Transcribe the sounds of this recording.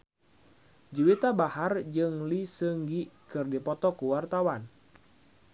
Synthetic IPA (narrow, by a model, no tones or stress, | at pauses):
d͡ʒiwit̪abahard͡ʒɨŋlisəŋɡikɨrdipɔt̪ɔkuwart̪awan